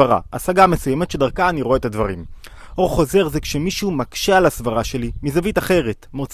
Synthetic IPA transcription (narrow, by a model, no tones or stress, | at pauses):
aʁa̰ʔa̰saɡamesujemet̪ʃedaʁkaːniʁoet̪advaʁim | ʔo̞ʁχo̞ze̞ʁzekʃemiʃumakʃealasvaʁaʃe̞limizavitaχe̞ʁetmot͡s